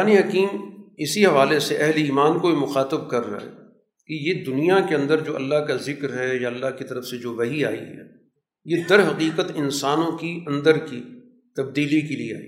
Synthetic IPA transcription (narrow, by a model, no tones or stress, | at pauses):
aːniɦɐkiːmɪsiɦɐʋaːleseʔɛɦliːmaːnkoimʊxaːt̪əb̚kɐɾːa̰ɦɛ̰ | kejed̪ʊnijakeɐ̃nd̪əɾd͡ʒoːʔɐ̰lːaɦkazɪkɾɦɛjaɐlːaɦkit̪ɐɾəfsed͡ʒoːʋɐɦiaːḭɦɛ̰ː | jed̪ɐɾɦɐqiːqət̪ɪnsaːnõkiɐ̃nd̪əɾki | t̪ɐb̚d̪iːlikeliea̰ːḭː